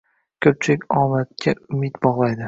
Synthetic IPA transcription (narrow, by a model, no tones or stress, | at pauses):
kʲʰɵp̚t͡ʃʰɪkʲɒmat̪̚kʲʰaʊmɪt̪bɒʁlˠajd̪ɪ